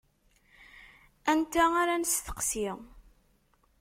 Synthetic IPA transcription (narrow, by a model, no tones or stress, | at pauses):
ænt̪æaɾansθə̥qsiʁ